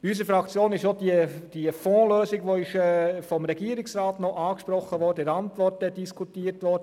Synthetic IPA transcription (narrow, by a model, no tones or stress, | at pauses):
ys̬əfɾɑkt͡sjoːnɪʃodid̥iəfɔ̃ːløːsɪɡʋoɪʃfɔmɾɛɡ̥iəɾɪksrɑːtnɔʔɑːkʃpɾɔχːəʋɔɾd̥əɪɾɑntʋɔrtɛd̥iskʰutiːəɾtʋɔɾdə